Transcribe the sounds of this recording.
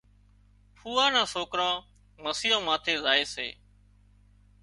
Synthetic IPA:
pʰuːãːnãːsoːkɾãː | məsiːãːmãːt̪ʰeːzaːeːsḛː

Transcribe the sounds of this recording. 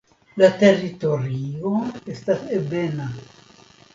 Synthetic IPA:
lat̪erit̪oɾioest̪asebena

